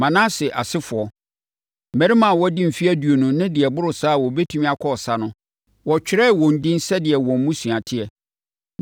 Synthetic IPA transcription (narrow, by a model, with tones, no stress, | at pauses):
mã˨nãː˦sɪ˨ʔa˨sɪ˦fʊ˨ɔ˨ | m̩˨mæ̃˨ɾɪ˦mã˨wɔ˦dɪ̃˦m̩˨fi˦æ˦du˨o˨nʊ̃˦nɪ̃˦dɪ˨ɛ˨bʊ˦ɾʊ˨saː˦˨wɔ˨bɛ˦tʰũ˦mĩ˦a˨kʰɔ˦ɔ˨sa˦nʊ̃˦ | wɔ˨t͡ɕᶣɪ˦ɾɛ˦˨wɔ̃˨n̩˨dɪ̃˦n˦sɛ˦dɪ˨ɛ˨wɔ̃˨m˦mũ˦sũ˨ã˨tʰɪ˦ɛ˨